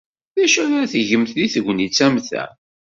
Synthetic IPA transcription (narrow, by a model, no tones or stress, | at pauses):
ðæʃʊɾθəʝəmθliθəɡʷnit͡sːæmθæ̰